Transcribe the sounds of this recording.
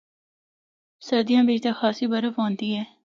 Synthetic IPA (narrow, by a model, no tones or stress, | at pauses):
sɐɾd̪ijãːbeːd͡ʒt̪exaːsibɐɾəfɦõːnt̪iɦɛː